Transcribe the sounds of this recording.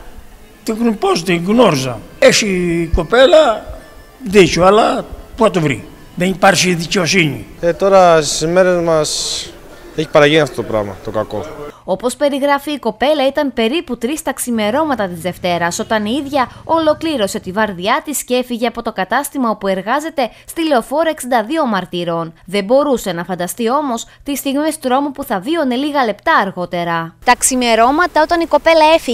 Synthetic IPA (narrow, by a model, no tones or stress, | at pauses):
t̪iɣnupost̪iɣnoɾizɐeçiko̞pelɐ | ðicoɐlɐpuɐt̪uvɾḭ | ðenipɐɾçiðice̞o̞siɲḭet̪o̞ɾɐsizme̞ɾezmɐs | eçi̥pɐɾɐʝiniɐft̪ot̪opɾɐ̰vmɐ̰t̪okɐko̞̰o̞po̞spe̞ɾiɣɾɐfiːko̞pe̞lɐit̪ɐmpe̞ɾiput̪ɾist̪ɐksime̞ɾo̞mɐt̪ɐt̪izðe̞ft̪e̞ɾɐso̞t̪ɐniðʝɐo̞lo̞kliɾo̞se̞t̪ivɐɾðʝɐt̪isce̞fiʝe̞ɐpo̞t̪o̞kɐt̪ɐst̪imɐo̞pue̞ɾɣɐze̞t̪e̞st̪ile̞o̞fo̞ɾɐeksind̪ɐðio̞mɐɾt̪iɾo̞nðe̞bo̞ɾuse̞nɐfɐnd̪ɐst̪io̞mo̞st̪ist̪iɣmest̪ɾo̞mupuθɐvione̞liɣɐle̞pt̪ɐːɾɣo̞t̪e̞ɾɐt̪ɐksime̞ɾo̞mɐt̪ɐo̞t̪ɐniko̞pe̞lɐe̞fi